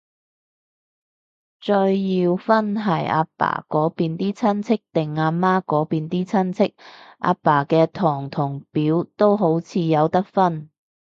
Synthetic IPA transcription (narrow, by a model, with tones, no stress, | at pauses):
t͡ʃɵ˧ɥjiː˧wfɐ˥nɦɐ˨˩ja̰ː˧pa̰ː˨˩kɔː˨˥piː˨˧nt̪iː˥t͡sʰɐ˥nt͡sʰɪ˥k̚t̪ɪ˨ŋːaː˧maː˥kɔː˨˥piː˨˧nt̪iː˥t͡sʰɐ˥nt͡sʰɪ˥k̚ʔa̰ː˧paː˨˩kɛː˧t̪ʰɔː˨˩ŋt̪ʰʊ˨˩ŋpiː˨˥wt̪o˥wɦo˨˥wt͡sʰiː˨˧jɐ˨˧wt̪ɐ˥k̚fɐ˥n